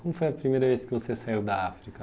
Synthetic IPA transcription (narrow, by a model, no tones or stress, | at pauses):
kõmʊfojɐpɾimejɾɐveskɪvosesaiwd̪ɐafɾikɐ